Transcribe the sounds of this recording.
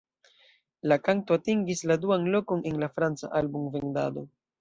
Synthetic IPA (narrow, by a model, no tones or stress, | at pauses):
lakanto̞atiŋɡisladuanlo̞ko̞ne̞nlafɾant͡sa̰ʔalbumve̞nda̰do̞